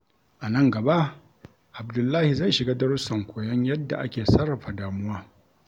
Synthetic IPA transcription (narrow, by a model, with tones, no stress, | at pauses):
ʔa˨nɐ˦ŋɡɐ˨ba˦ʔ | ʔa˨bdʊ˨lːaː˦hi˨za˦˨ʃɪ˨ɡaː˦dɐ˦ɽʊ˦sɐ˨ŋkʷoː˨jɐ˦ɲjɐ˦dːa̰˨ʔa̰˦kʲeː˨sɐ˦ɽːɐ˨ɸa˨daː˨mʊ˦waː˦